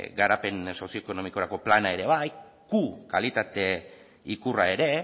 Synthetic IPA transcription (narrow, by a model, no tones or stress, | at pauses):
ɡaɾape̞nso̞sjoko̞no̞miko̞ɾako̞planae̞ɾe̞β̞aj | ɡ̥ukalit̪at̪e̞ | ikurae̞ɾe̞